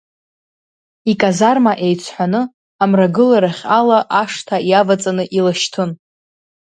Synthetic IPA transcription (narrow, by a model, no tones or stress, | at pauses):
ikʼazarmaʔe̞jt͡sʰħʷanɨ | amraɡɨlaɾaχʲalaʔaʂtʰajavat͡sʼanɨʔilaʃtʰɨn